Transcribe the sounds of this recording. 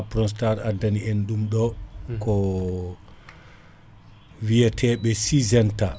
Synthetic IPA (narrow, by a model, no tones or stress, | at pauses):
apɾɔs̬taɾadːanienɗumɗɔkɔ | wiɛtʰɛːɓɛsizɛnta